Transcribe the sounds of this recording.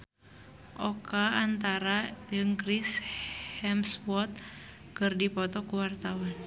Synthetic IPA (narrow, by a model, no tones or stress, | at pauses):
ʔɔkaːnt̪aɾad͡ʒɨŋkɾishɛmswɔt̪̚ | kɨrdipɔt̪ɔkuwart̪awan